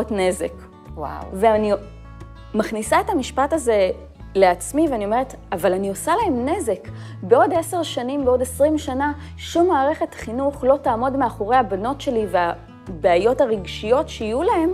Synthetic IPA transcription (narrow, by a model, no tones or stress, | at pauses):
tne̞zek | a̰veani | maχnisaetamiʃpataze̞ | le̞at͡smiveanio̞me̞ʁet | avalanio̞salae̞mne̞ze̞k | beo̞de̞se̞ʁʃanimbeo̞desʁimʃana | ʃumːaːʁe̞χe̞tχinuχlo̞taːmo̞dmeaχo̞ʁe̞jhabano̞tʃe̞livea | beajo̞taʁiɡʃijo̞tʃeijulahe̞m